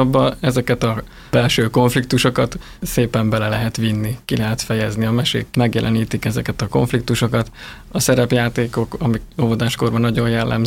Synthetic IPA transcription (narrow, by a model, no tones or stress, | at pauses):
bːɒɛzɛkɛt̪ɒ | b̥ɛlʃøːko̞ɱflikt̪uʃo̞kɒt̪ | seːpɛmbɛlɛlɛɦɛt̪ʋinːikilɛɦɛt̪fɛjɛzniɒmɛʃḛːkmɛɡjɛ̰lʔɛniːt̪ikɛzɛkɛt̪ɒko̞̰ɱflik̚t̪uʃo̞kɒt̪ | ɒsɛɾɛpjaːt̪eːko̞kɒmikovod̪aːʃko̞rbɒnɒɟo̞jjɛlːʔɛ̰m